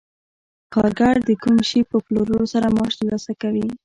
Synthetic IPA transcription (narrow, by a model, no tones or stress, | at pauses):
kɑɾɡaɽd̪əkumʃipəploɾoɾosaɾamɑʃt̪əlɑsakawi